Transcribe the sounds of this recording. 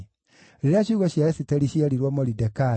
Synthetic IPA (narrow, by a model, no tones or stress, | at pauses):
ɾeɾeaɕuɣɔɕjaɛsitɛɾiɕiɛɾiɾwɔmɔɾidɛka